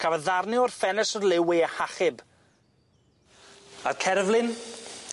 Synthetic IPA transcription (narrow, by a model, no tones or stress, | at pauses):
kʰavəðarnɪɔrfɛnɛsɔrlɪwɪhaχɪb | arkʰɛrvlˠɪn